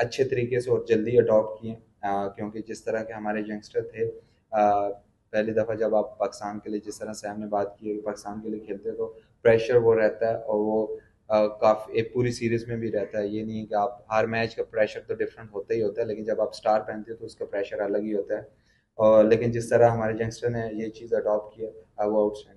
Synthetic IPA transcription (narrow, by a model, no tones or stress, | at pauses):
ɐtːʃʰet̪ɐɾiːkeseoːd͡ʒɐld̪iɐɖɔːp̚ʈkiɛ̃ː | kjõːked͡ʒɪst̪ɐɾakeɦɐmaːɾed͡ʒɐ̃ŋɡsʈəɾt̪ʰeː | pɛɦlid̪ɐfad͡ʒɐbaːpːaːkɪ̥st̪aːnkelied͡ʒɪst̪əɾasɛːmnebaːt̪kiepaːkɪst̪aːnkeliekʰeːlt̪eɦɛ̃t̪o | pɾɛːʃəɾʋoɾɛɦt̪aɦɛɔːɾʋo | kaːfieːk̚puːɾisiːɾizmẽbʱiɾɛɦt̪aɦɛjenɐɦĩɦɛkeaːpɦəɾmɛːd͡ʒkapɾɛːʃəɾt̪oɖɪfɾə̃ɳʈɦoːt̪aɦiɦoːt̪aɦɛleːkɪnd͡ʒɐbaːpsʈaːɾpɛ̃ːnt̪eɦɛ̃t̪oʊskapɾɛːʃəɾɐləɡɦiɦoːt̪aɦɛː | ɔːɾleːkɪ̃nd͡ʒɪst̪ɐɾaɦɐmaːɾed͡ʒɐ̃ŋsʈəɾnejet͡ʃiːzɐɖɔːpkijaʋoɐʊʈsɛ̃ː